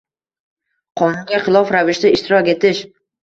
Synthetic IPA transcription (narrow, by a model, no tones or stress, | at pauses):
qʰɒnɪmɡʲaχɪlˠɒfɾavɪʃt̪aɪʃt̪ʰɪɾɒkʲe̞t̪ɪʃ